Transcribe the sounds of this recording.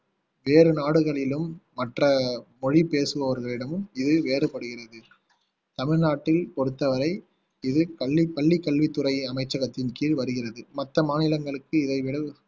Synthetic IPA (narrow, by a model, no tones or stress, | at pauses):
ʋeːɾɯnaːɽɯɣɐɭɪlɯmː | ɐʈrɐmɔɻipeːsɯʋɐʋɐɾɣɐɭɪɽɐmɯmɪðɯʋeːɾɯpːɐɽɯɣɪrɐðɯ | t̪ɐmɪɻnaːʈːɪlpɔɽɯt̪ːɐʋɐɾɐɪ | ɪðɯkɐɭʋipɐɭːikːɐɭʋit̪ːɯrɐɪɐmɐɪt͡ʃːɐɣɐt̪ːɪnkiːɻʋɐɾɯɣɪrɐðɯmɐt̪ːɐmaːnɪlɐŋɡɐɭɯkːɯɪðɐɪʋɪɽɐ